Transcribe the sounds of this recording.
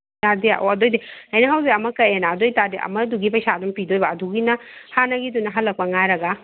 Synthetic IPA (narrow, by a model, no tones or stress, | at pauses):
adia̰ʔo̰ɐdojdeɐjnɐɦawziɐmɐkɐjenaɐdojtadeʔɐ̰mɐduɡipɐjsadumpidojbɐːduɡinɐhanɐɡidunːɐɦalːɐk̚pɐŋajɾɐɡa